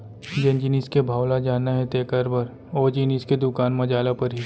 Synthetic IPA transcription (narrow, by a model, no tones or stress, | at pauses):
d͡ʒẽnd͡ʒiniskebʱaːwlad͡ʒaːnaɦɛ̃t̪eːkəɾbʱɐɾ | ɔːd͡ʒiniːsked̪ʊkaːnmɐd͡ʒaːlapɐɾɦi